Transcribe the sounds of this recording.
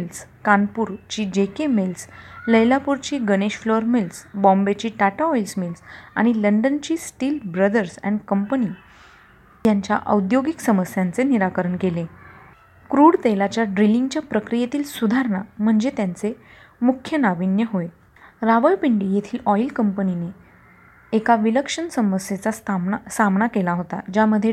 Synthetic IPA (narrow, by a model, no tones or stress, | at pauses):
lskanpuːɾt͡ɕiːd͡ʑekemelsləjlapuɾt͡ɕiːɡəneɕflɔɾmelsbɔ̃mbet͡ɕiːʈaʈaɔjlsmilsa̰ɽ̃iləɳɖənt͡ɕiːsʈiːlbɾəd̪əɾsɛ̰̃ɳɖkəmpəniː | jaɲt͡ɕjaʔə̰wd̪joɡiksəməsjant͡seniɾakəɾəɳkele | kɾuɽt̪elat͡ɕjaɖɾiliŋɡt͡ɕjapɾəkɾijet̪iːlsud̪ʱaɾɳam̤əɳd͡zet̪jant͡se | mukʰːjənaʋinjəɦoe | ɾaʋəjpiɳɖijet̪ʰiːlʔɔjlkəmpənine | ekaʋiləkʂənsəməsjet͡sasasamɳakelaɦot̪ad͡ʑaməd̪ʱːje